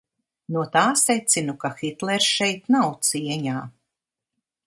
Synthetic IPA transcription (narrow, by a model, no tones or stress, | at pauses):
nuɔt̪aːsɛjt̪sinukaxit̪lˠɛɾsʃɛjt̪nawt̪siɛɲaː